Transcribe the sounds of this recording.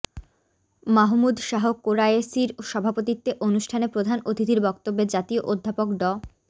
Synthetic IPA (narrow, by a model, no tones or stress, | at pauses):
maɦmud̪ʃaɦokoɾaesiɾoʃɔbʱapot̪it̪ːeʔonuʃʈʰanepɾod̪ʱanot̪ʰit̪iɾbɔk̚t̪obːed͡ʑat̪ioʔod̪ʱːapokɖɔ